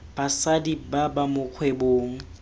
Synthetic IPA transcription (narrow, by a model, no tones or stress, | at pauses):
b̥asadibabamʊq͡χʰweboːŋ̩